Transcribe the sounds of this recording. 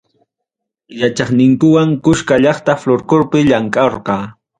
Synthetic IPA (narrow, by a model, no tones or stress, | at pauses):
jat͡ʃɑχnɪŋkʊwaŋkʊʃkaʎɑχt̪afloɾkʊɾpɪʎaŋkʼɑɾqɑː